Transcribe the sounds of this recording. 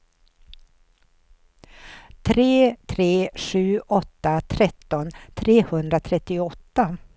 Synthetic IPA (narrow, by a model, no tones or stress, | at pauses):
t̪ʰɾeːt̪ʰɾeːɧʉ̟ːʔɔt̪ːat̪ʰɾɛt̪ːɔnt̪ʰɾeːhɵnd̪ɾat̪ʰɾɛt̪ːɪɔt̪ːa